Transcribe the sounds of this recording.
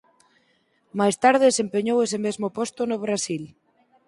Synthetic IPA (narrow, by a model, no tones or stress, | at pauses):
majst̪aɾðɪsempeɲowesemezmʊpɔst̪ʊnʊβ̞ɾasil